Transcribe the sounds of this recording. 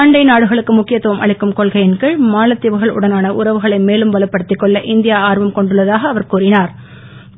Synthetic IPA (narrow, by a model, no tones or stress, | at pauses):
aːɳɖɐɪnaːɽɯɣɐɭɯkːɯmʊkːɪjɐt̪ːɯʋɐmʔɐ̰ɭɪkːɯmkɔɭɣɐjɪnkɐɭmaːlɐt̪ːɪʋɯɣɐɭʊ̰ɽɐnaːnɐʔʊ̰ɾɐʋɯɣɐɭɐɪmeːlɯmʋɐlɐpːɐɽɯt̪ːɪkːɔɭːɐʔɪnd̪ɪjaːaːɾʋɐmkɔɳɖɯɭːɐðaːɣɐːʋɐɾkuːrɪnaːɾ